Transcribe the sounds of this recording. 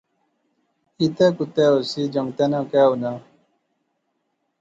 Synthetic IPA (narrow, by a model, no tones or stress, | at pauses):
it̪ekut̪eosid͡ʒʌŋt̪enãkewna